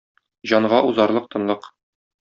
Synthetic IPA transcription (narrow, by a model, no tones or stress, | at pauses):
ʑɒɴʁɑʔuzɑɾlˠɤq̚t̪ɤ̆nlˠɤq